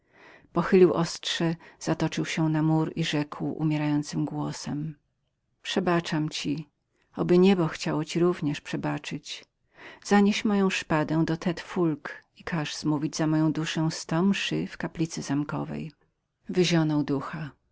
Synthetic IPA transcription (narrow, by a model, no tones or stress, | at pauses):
pɔxɘlʲiwʔɔstʂɛz̥at̪ɔt͡ʂɘwɕɛnamuɾiʐɛkʰwṵmʲjɛɾajɔnt̪sɘmɡwɔsɛm | pʂɛbat͡ʂamt͡ɕi | ɔbɘɲɛbɔxt͡ɕawɔt͡ɕiɾuvɲɛʂpʂɛbat͡ʂɘt͡ɕ | z̥aɲeɕmɔjɔ̃w̃ʂpad̪ɛ̃w̃d̪ɔt̪ʰɛt̪fulkikʰaʐz̥muvʲid͡ʑzamɔjɔ̃w̃d̪uʂɛ̃w̃st̪ɔmʂɘfkaplʲit̪sɘzamkɔ̰vɛ̰j | vɘʑɔnɔwd̪uxa